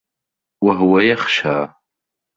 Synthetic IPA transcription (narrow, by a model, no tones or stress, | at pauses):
wɐɦwɐjɛχʃa̰ː